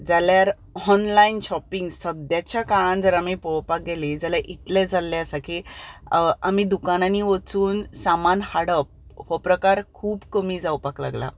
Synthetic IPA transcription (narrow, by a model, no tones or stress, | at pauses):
d͡zaljaɾ | ɔnlainɕɔpiŋɡsəd̪jat͡ɕjakaɭãnd͡zəɾamipɔwpak̚ɡelid͡zaljaʔit̪lɛ̃d͡zʱalːɛ̃əsakʰi | amid̪ukananiʋət͡suːnsamanhaɽəp̚hopɾəkaɾkʰuːbkəmiːd͡zawpakla̰ɡla̰